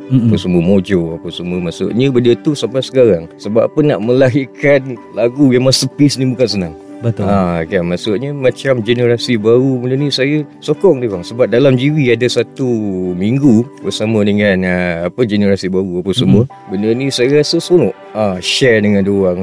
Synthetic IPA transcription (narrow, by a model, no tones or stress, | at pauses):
apəsəməmod͡ʒoapasəməmasṵʔ̪̚ɲəbəndət̪usampasə̥kaɾaŋsəbappənːa̰ʔmə̃laɦikanlaɡujamasəpisnibukans̬ənãŋ | bət̪akanmãʔsʊt̪̚ɲəmãt͡ʃamd͡ʒenəɾasibaɾubənənisajə | sokɔŋdowaŋsəbap̚dalamd͡ʒiwiadasat̪umiŋɡubəsamə̃dəŋanəapəd͡ʒenəɾasibaɾuapasəmuə | bənənisajəɾasəsonɔʔ | aʃɛrdəŋãndoaŋ